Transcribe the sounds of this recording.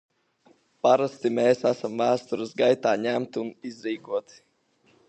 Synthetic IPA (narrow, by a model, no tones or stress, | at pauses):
paɾast̪imeːsæsamvæːst̪uɾɨsɡajt̪aːɲæmt̪unizɾiːkuɔt̪